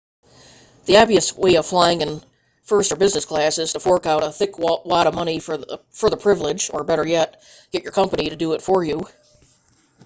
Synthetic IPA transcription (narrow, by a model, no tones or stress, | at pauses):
ðiæbiɨsweɪʌv̥flaɪɪ̃ŋɨ̃n | fɜ˞stə˞bɪznɨskʰl̥æsɨz̥tʰəfɔɹkaʊɾəθɪkʰwɑɾʌmʌñifə˞ðəpʰɹ̥ɪvlɪd͡ʒə̰˞bɛɾə˞jɛt̚ | ɡ̥ɛt͡ʃə˞kʰʌ̃mpɨniɾɨdɨɪtfə˞ju